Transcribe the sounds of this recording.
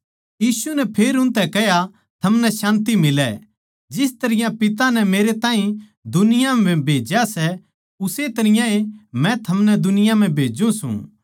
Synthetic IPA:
jiːsunɛpʰeːɾʊ̃nt̪ɛkɛja | t̪ʰɐmnɛʃãːnt̪imɪlɛ | d͡ʒɪst̪ɐɾɪjãpɪt̪anɛmeːɾet̪ãːɦĩ | d̪ʊnɪjãɛ̃bʱeːd͡ʒjasɛ | ʊset̪ɐɾɪjãemɛ̃t̪ʰɐmnɛd̪ʊnɪjãm̤ɛ̃bʱeːd͡ʒũsṵ̃

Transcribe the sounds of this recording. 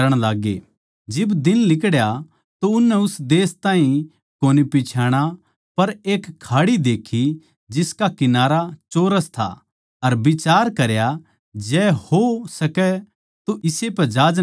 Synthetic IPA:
ɾəɽ̃laːɡḛ | d͡ʒɪbd̪ɪnlɪkɽja | t̪oʊnːɛʊsd̪eːst̪ãːĩ | koːnipɪt͡ʃʰaːɽ̃a | pɐɾeːkʰːaːɽid̪eːkʰi | d͡ʒɪskakɪnaːɾat͡ʃoːɾəst̪ʰa̰ | ɐɾbɪt͡ʃaːɾkɐɾja | d͡ʒɛːhosɐkɛ | t̪uʔɪsepɛd͡ʒaːd͡ʒ

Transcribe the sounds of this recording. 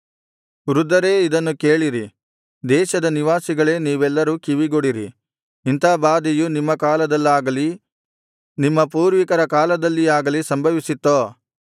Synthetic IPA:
ɾud̪ɐɾe̞ːid̪ɐnːukeːɭiɾi | d̪ɛːʃɐd̪ɐniʋaːsiɡɐɭe̞ːniːʋɛlːɐɾuːkiʋiɡoɽiɾḭ | int̪aːbaːd̪ijunimːɐkaːlɐd̪ɐlːaːɡɐli | nimːɐpuːɾʋikɐɾɐkaːlɐd̪ɐlːiaːɡɐlisɐmbʱɐʋisit̪ːoː

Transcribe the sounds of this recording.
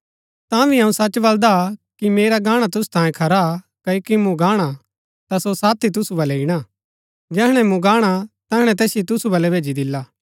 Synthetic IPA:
t̪ãbʱiɐũsɐt͡ʃbɐld̪akimeːɾaɡaːɽ̃at̪̬ʊsu̥t̪ãːjẽkʰɐɾa | kɐokimũɡaːɽ̃a | t̪asosaːt̪ʰːit̪̬ʊsubɐlɛɪɽ̃a | d͡ʒɛːɦɽ̃ɛmũɡaːɽ̃at̪ɛːɦɽ̃ɛ̃t̪ɛːsjit̪ʊsubɐlɛbʱeːd͡ʒid̪ɪlːaː

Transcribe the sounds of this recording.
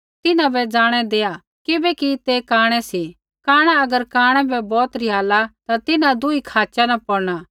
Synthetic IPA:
t̪ɪnãbɛd͡ʒaːɽ̃ɛd̪eːa | kɪbɛkit̪ekaːɽ̃ɛsi | kaːɽ̃aɐɡəɾkaːɽ̃ɛ̃bɛbɔːt̪ɾɪjaːlat̪at̪ɪnãd̪ʊikʰaːt͡ʃanapɔɽɽ̃aː

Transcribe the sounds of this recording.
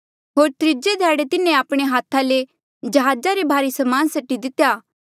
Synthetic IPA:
ɦoːɾt̪ɾɪd͡ʒed̪ʱɛːɽet̪ɪnẽaːpɽ̃eɦaːt̪ʰale | d͡ʒɐɦaːd͡ʒaɾebʱaːɾisɐmaːnsɐʈːid̪ɪt̪ːjaː

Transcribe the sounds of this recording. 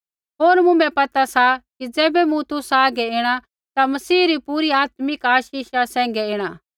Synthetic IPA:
ɦoːɾmũmɛ̃pɐt̪asakid͡zɛːbɛmũt̪ʊsaːɡɛɪːɽ̃a | t̪amɐsiːɾipuɾiaːt̪mɪkaːʃiːʃasɛ̃ːŋ̆ɡɛɪːɽ̃aː

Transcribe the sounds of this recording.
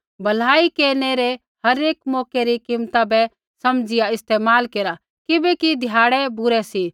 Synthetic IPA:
bʱɐl̤aːikeːneɾe | hɐɾeːkmɔːkɛɾikɪmt̪abɛ | sɐmd͡ʒɪjaɪst̪eːmaːlkeːɾa | kɪbɛkid̪ʱjaːɽɛbʊɾɛsi

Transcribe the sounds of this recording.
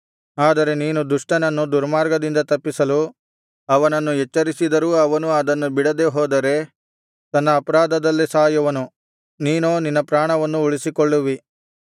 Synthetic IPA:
aːd̪ɐɾe̞niːnud̪uʂʈɐnɐnːud̪uɾmaːɾɡɐd̪ind̪ɐt̪ɐpːisɐlu | ɐʋɐnɐnːujɛt͡ʃːɐɾisid̪ɐɾuːɐʋɐnuɐd̪ɐnːubiɽɐd̪e̞ɦoːd̪ɐɾe̞ | t̪ɐnːɐːpɐɾaːd̪ɐd̪ɐlːisaːjɐʋɐnu | niːnoːninːɐpɾaːɳɐʋɐnːuːɭisikɔɭːuʋi

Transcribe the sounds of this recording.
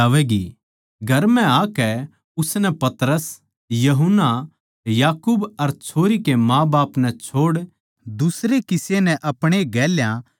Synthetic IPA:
aːʋɛɡḭ | ɡʱɐɾmɛ̃akɛ | ʊsnɛpɐt̪ɾəs | jɐɦʊnːa | jaːkuːbɐɾt͡ʃʰoːɾikemãːbaːpnɛ̃t͡ʃʰoːɽ | d̪ʊsɾekɪsenɛ̃ʔɐpɽ̃eɡɛːljã

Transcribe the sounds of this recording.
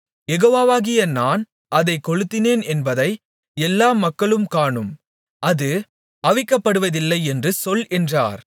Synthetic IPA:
jɛɣoːʋaːʋaːɣɪjɐnaːn | ʔɐðɐɪkːɔɻɯt̪ːɪneːnɛnbɐðɐɪ | ɛlːaːmɐkːɐɭɯmkaːɳɯm | ʔɐðɯ | ɐʋɪkːɐpːɐɽɯʋɐðɪlːɐɪɛndrɯsɔlɛndra̰ːɾ

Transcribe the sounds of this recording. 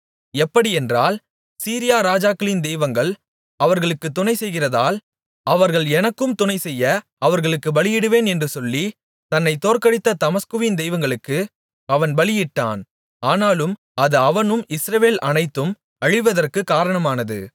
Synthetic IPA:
ɛpːɐɽiɛndraːl | siːɾɪjaːɾaːd͡ʒaːkɯlɪnd̪ɛɪʋɐŋɡɐɭ | ɐʋɐɾɣɐɭɯkːɯt̪ːʊnɐɪsɛjɣɪrɐðaːl | ɐʋɐɾɣɐɭɛnɐkːɯmt̪ʊnɐɪsɛjːɐ | ɐʋɐɾɣɐɭɯkːɯʋɐɭɪjɪɽɯʋeːnɛndrɯsɔlːi | t̪ɐnːɐɪt̪ːoːrkɐɽɪt̪ːɐt̪ɐmɐskɯʋɪnd̪ɛɪʋɐŋɡɐɭɯkːɯ | ɐʋɐnʋɐɭɪjɪʈːa̰ːn | aːnaːlɯm | ɐðɯɐʋɐnɯmɪsɾɐʋeːlʔɐnɐɪt̪ːɯm | ɐɻɪʋɐðɐrkɯkaːɾɐɳɐmaːnɐðɯ̰

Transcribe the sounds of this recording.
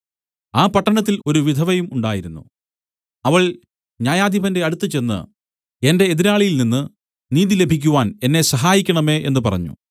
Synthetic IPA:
aːpɐʈːɐɳɐt̪ːilo̞ɾuʋid̪ʱɐʋɐjumuɳɖaːjiɾunːṵ | ɐʋɐɭ | ɲaːjaːd̪ʱibʱɐnde̞ɐɽut̪ːɨt͡ɕe̞nːɨ̰ | e̞nde̞ːðiɾaːɭijilninːɨ | niːðile̞bʱikʲːuʋaːne̞nːe̞sɐɦaːjikʲːɐɳɐme̞ːʔe̞̰nːɨpɐrɐ̰ɲːṵ

